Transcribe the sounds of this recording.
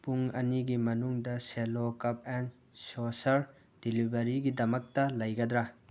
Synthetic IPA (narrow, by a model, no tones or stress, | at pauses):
puŋɐniɡimɐnuŋdɐselokɐp̚en | sosɐɾ | d̥ilibɐɾiɡidɐmɐk̚tɐlɐjɡɐd̪ɾɐ